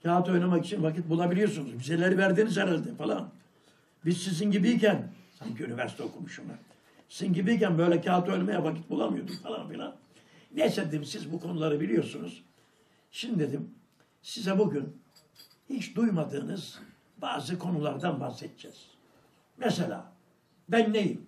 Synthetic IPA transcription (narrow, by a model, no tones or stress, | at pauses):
cʰaːt̪ʰuo̞jnamakit͡ʃʰinvakit̪̚bulˠabilʲijo̞ɾsunuzmyzelʲeɾivæɾd̪iːnizɛɾælʲd̪ɛfalˠa̰n | bizsizinɟibiicænsancʰiynivæɾsi̥t̪eo̞kʰumuʃuna | sizinɟibijicænbø̞jlʲɛcʰaːt̪uo̞jnamajavaci̥t̪̚bulˠamɯjo̞d̪umfalˠa̰nfilʲˠa̰n | jɛsed̪iːmsizbukʰo̞nulˠaɾɯbilʲijo̞ɾsunuz̥ | ʃimid̪ed̪im | sizɛbuɟyn | hit͡ʃd̪ujmad̪ɯːnɯz | baːzɯkʰo̞nulˠaɾd̪anbahsɛt̪̚d͡ʒɛz̥ | mɛselʲa̰ː | bænːejim